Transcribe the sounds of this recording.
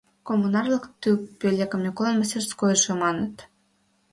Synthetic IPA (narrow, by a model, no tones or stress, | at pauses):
komːunɑrlɤkt̪ypʲølʲekə̆mnʲikolɑnməsʲerskojʃemɑnət̪